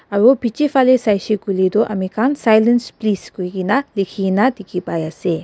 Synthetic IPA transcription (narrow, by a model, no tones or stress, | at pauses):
aɾobʱit͡ʃifalesajʃikulid̪oʔamikʰansajlənspliskoiɡinalikʰinat̪ikʰipajase